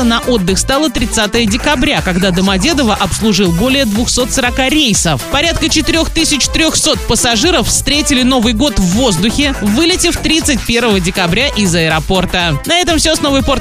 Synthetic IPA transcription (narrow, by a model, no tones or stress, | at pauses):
ənɐʔo̞d̪ːɨxst̪ɑlˠət̪ɾʲɪt̪sat̪əjədʲɪkɐbɾʲakɐɡd̪ad̪əmɐdʲed̪əvəʔɐpslˠʊʐɨlˠbo̞lʲɪjəd̪vʊxso̞t̪səɾɐkaɾʲejsəfpɐɾʲat̪̚kət͡ɕɪt̪ɨɾʲo̞xt̪ɨsʲɪt͡ɕt̪ɾʲoxso̞t̪̚pəsɐʐɨɾəfst̪ɾʲetʲɪlʲɪno̞vɨjɡo̞t̪vːo̞zd̪ʊxʲɪvɨlʲɪtʲɪft̪ɾʲit̪sɨt̚ʲpʲe̞rvəvədʲɪkɐbɾʲaʔɪzɐɪɾɐpo̞rt̪ənɐɛt̪əmfsʲoɐsno̞vəjpo̞rt̪